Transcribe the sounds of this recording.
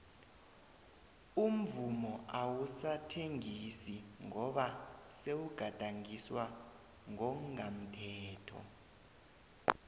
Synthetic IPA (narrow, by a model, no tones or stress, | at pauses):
um̩vumɔawusatʰeŋisiŋɔɓasewuɡ̥ʱad̥ʼʱaŋiswa | ŋɔŋam̩tʰɛːtʰɔ̰